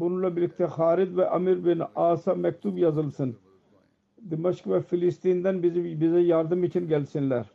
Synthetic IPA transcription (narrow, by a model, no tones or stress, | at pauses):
bunɨlˠɑbɪlɪkʲt̪ʰɛχɑːɾɪd̪vɛʔɑmiɾbɪnɑːsɑmɛk̚ʲt̪ʰubjɑzɨlˠsɨn | d̪emɑʃkvɑfilɪst̪ind̪ɛnbɪzbɪzɛjɑɾd̪ɨmit͡ʃʰinɡʲɛlsɪnlæɾ